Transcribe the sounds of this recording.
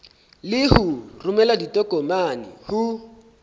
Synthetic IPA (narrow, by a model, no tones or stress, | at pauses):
lɪhʊrʊmɛladitʼɔkʼɔmanɪ̰hʊ